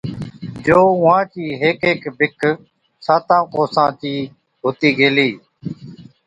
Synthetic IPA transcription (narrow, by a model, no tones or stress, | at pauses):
d͡ʒoːʊʋãːt͡ʃiːɦeːkeːkbɪkʰ | sãːt̪ãːkoːsãːt͡ʃiː | ɦʊːt̪iːɡʱeːliː